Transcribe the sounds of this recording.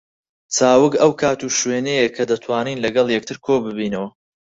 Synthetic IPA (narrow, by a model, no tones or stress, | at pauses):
t͡saːwɨkɐwkʰaːt̪uʃweːnejekʰɐd̪ɐt̪ʰwaːniːnlɐɡɐlˠjɛk̚t̪ʰɨɾkʰobɨbiːnɐwɐ